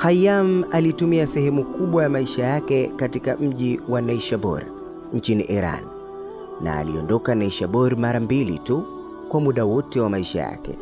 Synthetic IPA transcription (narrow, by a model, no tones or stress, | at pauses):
xajamalitumiasɛhɛmukuɓwajamaiʃajakɛkatikam̩ʄiwanaʃaɓɔ̰ɾ | ɲ̩t͡ʃinḭʔiɾa̰nː | a̰ːliɔ̰ndɔkanaiʃaɓɔɾmaɾambilḭtu | kwamuɗawɔtɛwamaiʃa̰ja̰kɛ̰